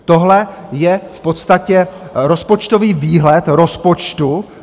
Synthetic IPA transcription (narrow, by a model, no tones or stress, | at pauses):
t̪o̞ɦlɛjɛfpo̞t̪st̪acɛɾo̞spo̞t͡ʃt̪o̞viːviːɦlɛt̪ɾo̞spo̞t͡ʃt̪u